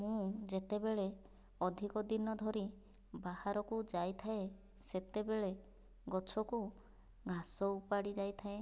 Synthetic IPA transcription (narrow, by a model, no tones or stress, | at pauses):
mũd͡ʒet̪ebeɭe | ɔd̪ʱikɔd̪inɔd̪ʱɔɾi | bahaɾɔkud͡ʒajt̪ʰae | set̪ebeɭe | ɡɔt͡ʃʰɔku | ɡʱasɔupaɽid͡ʒajt̪ʰae